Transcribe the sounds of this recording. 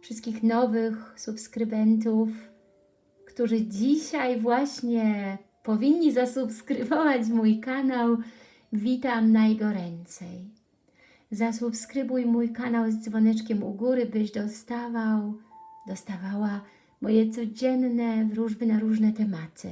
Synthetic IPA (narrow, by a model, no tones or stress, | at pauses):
fʂɘst̪kʲixnɔvɘxsupskɾɘbɛnt̪̬uf | kt̪uʐɘd͡ʑiɕajvwaɕɲɛ | pɔvʲiɲːizasupskɾɘvɔvat͡ɕmujkanaw | vʲit̪amnajɛɡɔɾɛnt̪sɛj | zasupskɾɘbujmujkanawzd̪zvɔnɛt͡ʂkʲɛmuɡuɾɘbɘʑd̪ɔst̪avawd̪ɔst̪avawa | mɔjɛt̪sɔd͡ʑɛnnɛvɾuʐbɘnaɾuʐnɛt̪ɛmat̪ʰɘ̰